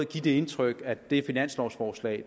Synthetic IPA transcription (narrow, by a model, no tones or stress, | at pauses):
ɡ̥id̥e̝e̝nt͡sʰʁœɡ̥æd̥e̝æɐfinæn̰slɒʊsfɒːslɛ̰ɪ̰